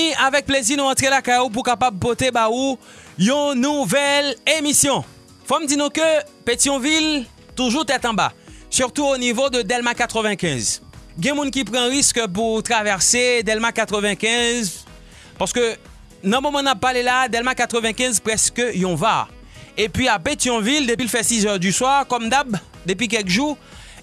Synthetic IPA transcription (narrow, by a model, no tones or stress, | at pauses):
iavɛk̚pleziʁnɔ̃ɑ̃t̪χelakajup̬ukapabpot̪ebau | jɔ̃nuvɛlemisjɔ̃ | fɔmd̪inɔ̃kəpet̪iɔ̃vil | t̪uʒuʁt̪ɛt̪ɑ̃ba̰syʁt̪uonivod̪əd̪ɛlmakat̪χəvɛ̃kʲɛ̃zɡjɛ̃mũnkʲipχɑ̃ʁiskəp̬uʁt̪χavɛʁsed̪ɛlmakat̪χəvɛ̃kɛ̃z | paʁsə̥kø | nɔ̃mɔmɑ̃napalelad̪ɛlmakat̪χəvɛ̃kɛ̃zpχɛskəjɔ̃va | epɥiapet̪jɔ̃vild̪epilfɛsizœʁd̪yswaʁkɔmd̪ab | d̪ep̬ɥik̬ɛlkʒuʁ